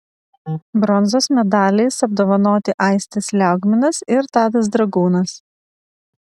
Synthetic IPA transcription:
bɾɔnzoːsmʲɛd̪ɑːlʲɛɪsɐb̚d̪oːʋɐnoːt̪ʲɪʔɐˑɪsʲt̪ʲɪslʲæʊɡʲmʲɪnɐsɪɾt̪ɑːd̪ɐs̬d̪ɾɐɡuːnɐs

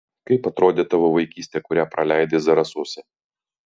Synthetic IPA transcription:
kɐɪpɐt̪ɾoːd̪ʲeːt̪ɐʋoʋɐɪkʲiːsʲt̪ʲɛːkʊɾʲæpɾɐlʲæɪd̪ʲeːzɐɾɐsoːsʲɛ

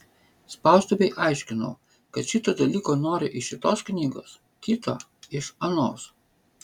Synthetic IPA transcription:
spɑˑʊst̪oːbʲɛɪʔɑˑɪʃʲkʲɪnɐ̰ʊ | kɐt̪ʃʲɪt̪oːd̪ɐlʲiːkoːnoːɾʲɪʔɪʃʲɪt̪oːsknʲiːɡo̰ːs | kʲit̪o̰ː | ɪʃɐnoːs

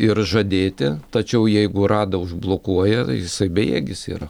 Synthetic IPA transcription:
ɪrʒɐd̪ʲeːt̪ʲɪt̪ɐt͡ʃʲɛʊjɛɪɡʊrɑːd̪ɐʊʒblˠoːkuɔjɛtjɪsɐɪbʲejḛːɡʲɪsḭːɾɐ

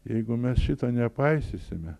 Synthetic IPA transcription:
jɛɪɡʊmʲɛsʃʲɪt̪ɐnʲɛpɐɪsʲɪsʲɪmʲɛ

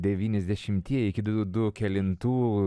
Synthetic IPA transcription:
d̪ʲɛʋʲiːnʲɛzʲd̪ʲɛʃʲɪmʲt̪ʲiɛɪkʲɪd̪ʊd̪ʊkʲɛlʲɪnt̪uː

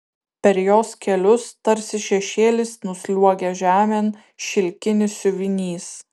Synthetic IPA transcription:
pʲɛɾjoːskʲɛlʲʊst̪ɐɾʲsʲɪʃʲɛʃʲeːlʲɪsnʊsʲlʲuɔɡʲɛʒʲæːmʲɛn | ʃʲɪlʲkʲɪnʲɪssʲʊʋʲɪnʲiːs

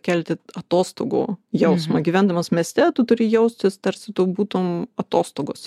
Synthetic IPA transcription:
kʲɛlʲt̪ʲɪɐt̪oːst̪o̰ːɡo̰ːjɛʊsmɐɡʲiʋʲænd̪ɐmɐsmʲeːsʲt̪ʲɛt̪ʊt̪ʊɾʲɪjɛʊsʲt̪ʲɪst̪ɐɾʲsʲɪt̪obuːt̪oːmɐt̪oːst̪oːɡoːs

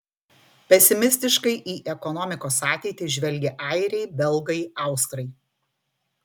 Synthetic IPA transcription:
pʲɛsʲɪmʲɪsʲt̪ʲɪʃkɐɪʔiːʔɛkɔnɔmʲɪkoːsɑːt̪ʲɛɪt̪ʲɪʒʲʋʲɛlʲɡʲɛʔɐɪɾʲɛɪbʲɛlˠɡɐɪɑˑʊst̪ɾɐɪ

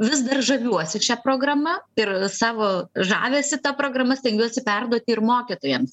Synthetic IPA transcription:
ʋʲɪsd̪ɐrʒɐʋʲuɔsʲɪʃʲæːpɾoːɡrɐmɐɪrsɑːʋoːʒɑ̰ːʋʲeːsʲɪt̪ɐpɾoːɡrɐmɐsʲt̪ʲɛŋʲɡʲɛɔsʲɪpʲɛrd̪uɔt̪ʲɪɪrmoːkʲiːt̪oːjɛms

